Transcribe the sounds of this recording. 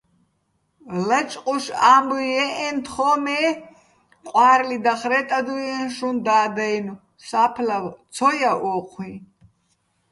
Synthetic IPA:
lat͡ʃʼqʼuʃambuɛʔɛnt̪ʰχɔːmɛ | qʼwaːɾlid̪aχɾɛt̪ʼad̪ujɛnʃund̪aːd̪ajnu | sapʰlawt͡sʰɔjaʔɔːqʷʰwi

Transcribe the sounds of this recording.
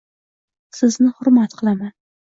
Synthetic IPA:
sɪznɪhʊɾmat̪qʰɨlˠaman

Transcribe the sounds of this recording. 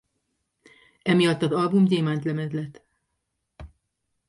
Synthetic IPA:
ɛmijɒt̪ːɒzɒlbumɟeːmaːnt̪lɛmɛd̪lɛt̪ː

